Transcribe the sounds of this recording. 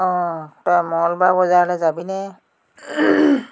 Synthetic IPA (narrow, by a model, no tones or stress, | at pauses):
ɔ̃tɔjmɔlbabɔzalɛzabinɛ